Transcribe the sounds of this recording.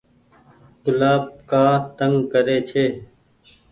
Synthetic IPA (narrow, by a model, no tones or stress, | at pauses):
ɡʊlaːb̚kaːt̪əŋɡkəɾeːt͡ʃʰeː